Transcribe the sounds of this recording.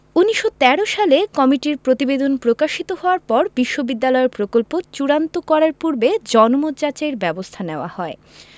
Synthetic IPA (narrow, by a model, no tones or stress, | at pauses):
unːiʃːot̪ɛɾoʃalekɔmiʈiɾpɾot̪ibed̪onpɾokaʃit̪oɦɔoaɾpɔɾbiʃːobid̪ːalɔeɾpɾokolpot͡ɕuɾant̪okɔɾaɾpuɾbed͡ʑɔnomod͡ʑat͡ɕaeɾbɛbost̪ʰaneoa̰hɔe